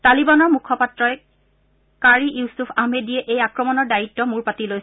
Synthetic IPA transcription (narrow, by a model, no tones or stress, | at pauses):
talibanɔɹmukʰɔpatɹɔj | kaɹiʔusufʰahmedijɛʔejakɹɔmɔnɔɹdaitːɔmuɹpatiloj